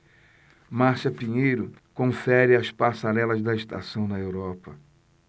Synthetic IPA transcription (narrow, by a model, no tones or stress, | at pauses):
maɾsɐpiɲejɾʊkõfɛɾɪɐspaɾsaɾɛlɐzd̪ɐɪst̪a̰sɐ̃w̃nɐewɾɔpɐ